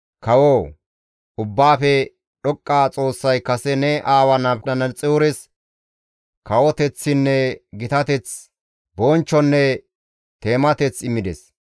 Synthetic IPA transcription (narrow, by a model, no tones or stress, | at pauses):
kɐwoː | ʔʊbːaːfɛ | ɗɔkʼːaːt͡sʼo̞ːsːɐjkɐsɛnɛʔaːwɐnɐɐnɐt͡sʼɛʊɾɛs | kɐwɔt̪ɛt͡sːɪnːɛɡɪt̪ɐt̪ɛt͡s | bɔnt͡ʃːɔnːɛ | t̪e̞ːmɐt̪ɛt͡sɪmːɪd̪ɛs